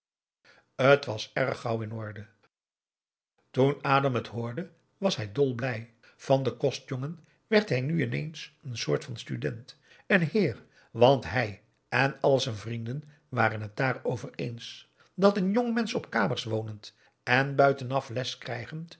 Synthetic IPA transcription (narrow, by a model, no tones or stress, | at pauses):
ətʋɑsɛɹəχɑwɪnɔɹdə | tunaːdɑmətɦʊːɹdə | ʋɑsɦɛjdɔlˠblɛj | v̥ɑndəkɔstjoŋən | ʋɛɹtɦɛjnyɪnḛjnsənsʊːɹtfɑnstydɛnt | ənhɪːr | ʋɑntɦɛj | ʔɛnɑlˠzɛnvrindən | ʋaːrənɦət̚d̥aːɹowvəɹḛjns | dɑtənjoŋmɛnsɔpkaːməɹsʋownənt | ɛnbœɥtənɑflɛskrɛjχənt